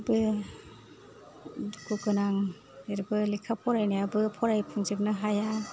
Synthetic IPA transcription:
bɯ | ɡuɡɯnaŋ | eɾbɯlikʰapʰɔɾajnajabɯpʰɔɾajpʰuŋzip̚nɯɦaja

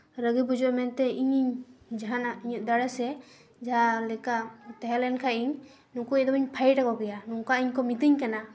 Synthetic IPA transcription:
ɾəɡibud͡ʒɔʔmɛnt̪ɛiɲiɲd͡ʒaɦanaiɲuʔ̪̚d̪aɽɛsɛ | d͡ʒaalɛkat̪ɛɦɛlɛnkʰaiɲ | nukuɛd̪ɔbiɲpʰajʈakɔkɛjanuŋkaiɲkɔmit̪iɲkana

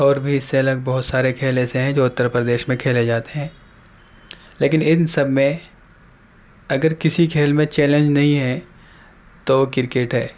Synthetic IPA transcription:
ɔːɾbʱiɪsːeɐləɡ̚bɐɦʊt̪saːɾekʰeːleseɦɛ̃d͡ʒoːʊt̪ːəɾpɾəd̪eːʃmẽkʰeːled͡ʒaːt̪eɦɛ̃ː | leːkɪnɪnsɐbʱmẽ | ɐɡəɾkɪsikʰeːlmẽt͡ʃɛːlẽɲd͡ʒnɐɦĩɦɛ | t̪okɪɾkeʈɦɛː

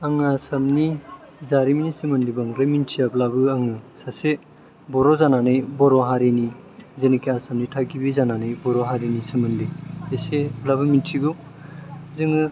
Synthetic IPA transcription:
aŋasɐmni | zaɾiminisimɐndibaŋɡɾamintʰiablabɯaŋɯsase | bɔɾɔzananɯjbɔɾɔɦaɾini | zenikiasɐmnitʰakibizananɯjbɔɾɔɦaɾinisimandiseseblabɯmintʰiɡu | zɯŋɯ

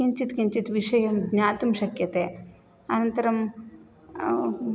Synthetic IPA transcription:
iɲt͡ʃit̪kiɲt͡ʃit̪ʋiʂɐjɐmɡɲaːt̪umʃɐkjɐt̪eː | ɐnɐnt̪ɐɾɐm

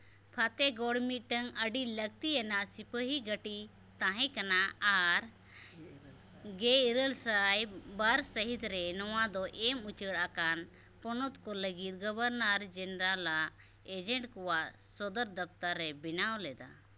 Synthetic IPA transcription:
pʰat̪ɛɡɔɽmiʈəŋəɖiləɡ̚t̪iɛnaʔsipəɦiɡəʈi | t̪ãɦɛ̃kanaaɾ | ɡeiɾəlsajbaɾsəɦit̪ɾɛnɔwad̪ɔʔɛmut͡ʃəɽakan | pɔnɔt̪kɔləɡit̪̚ɡɔbəɾnaɾd͡ʒənɾala | ed͡ʒɛɳʈkɔwaʔsɔd̪əɾd̪əp̚t̪aɾːɛbinawlɛd̪a̰

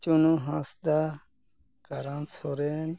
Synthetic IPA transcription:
t͡ʃunũɦãsd̪a | ɡ̥aɾãnsoɾen

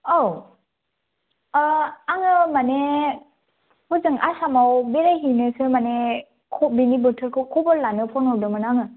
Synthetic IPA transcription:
aw | aŋɯmane | huzɯŋa̰samawbeɾajɦinɯsɯmane | kʰɔbinibɯtʰɯɾkʰɯkʰɔbɯɾlanɯpʰɔnɔdɯmɯnaŋɯ

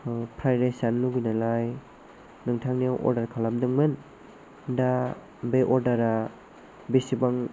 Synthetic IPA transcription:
pʰɾajɾesanluɡujnalaj | nɯŋtʰaŋnijawʔɔ̰ɾdaɾkʰalamdɯŋmɯn | da | beʔɔɾdaɾa | bisibaŋ

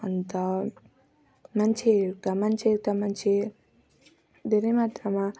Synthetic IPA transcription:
ʌnt̪ʌ | mant͡ʃʰekamant͡ʃʰeɾkamant͡ʃʰe | d̪ʱeɾemat̪ɾama

